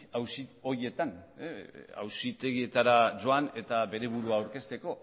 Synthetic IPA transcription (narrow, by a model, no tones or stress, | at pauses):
awsio̞ie̞t̪an | a̰wsit̪e̞ɣ̞ie̞t̪aɾad͡ʒoane̞t̪aβe̞ɾe̞βuɾuaːwɾke̞st̪e̞ko̞